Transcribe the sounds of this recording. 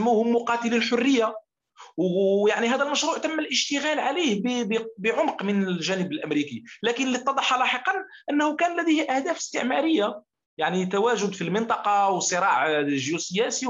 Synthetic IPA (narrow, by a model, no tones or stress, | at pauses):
muhʊmːʊqɑt̪əlilħʊrːəjːa | wjaʕniɦæd̪ælmæʃɾuːʕt̪əmːælʔəʃt̪əɣælʕalihbbbəʕʊmqmənlʒænəbəlʔæmɾikilækənlit̪ˤːɑd̪ˤɑħːɑlɑħəqɑnʔənːhʊkænlæd̪ejhʔæhd̪æfə̥st̪əʕmæɾəjːa | jaʕnit̪æwæʒʊd̪filmɪnt̪ˤɑqɑwsˤɨɾˤɑʕʒjusəjæsi